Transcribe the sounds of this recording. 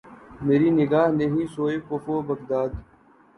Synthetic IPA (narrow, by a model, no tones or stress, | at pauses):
meːɾiːnɪɡaːɦneɦĩːsoːekoːfoːbəɡd̪aːd̪